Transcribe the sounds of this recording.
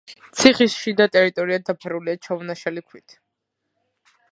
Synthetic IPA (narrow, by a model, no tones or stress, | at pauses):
t̪sʰiχisʃid̪at̪ʼɛɾit̪ʼɔɾiad̪apʰɛɾuliat͡ʃʰavunaʃalikʰwit̪ʰ